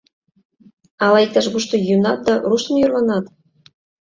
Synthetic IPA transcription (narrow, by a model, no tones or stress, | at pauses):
ɑlɑik̚t̪ɑʃɣuʃt̪ojynɑt̪̚d̪ɑrusə̆mjørlɑnɑt̪